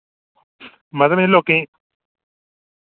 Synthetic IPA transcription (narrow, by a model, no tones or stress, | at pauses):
maðamelokĩ